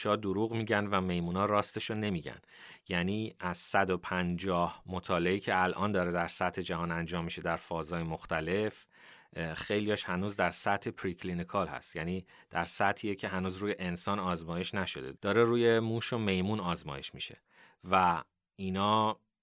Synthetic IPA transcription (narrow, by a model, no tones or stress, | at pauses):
ʃɒːd̪oɾuːɣmiːɟænvæme̞jmuːnɒːɾɒːst̪eʃone̞miːɟæ̰n | jæniːʔæz̥sæd̪o̞pʰænd͡ʒɒːhmot̪ʰɒːleiːcʰe̞ælʔɒːnd̪ɒːɾe̞d̪æɾsæt̪ʰːe̞d͡ʒæɦɒːnænd͡ʒɒːmːiʃe̞d̪æɾfɒːzɒːjemoxt̪æle̞f | xe̞jlijɒːʃhænuːzd̪æɾsæt̪ʰepʰɾikʰlinikʰɒːlhæ̰st̪jæːniː | d̪̥æɾsæt̪ʰiːjecʰe̞ɦænuːzɾuːje̞ʔensɒːnɒːzmɒːje̞ʃnæʃo̞̰d̪e̞̰d̪̥ɒːɾeɾuːje̞muːʃo̞me̞jmuːnɒːzmɒ̰ːje̞ʃmḭʃe̞̰ | væ | iːnɒː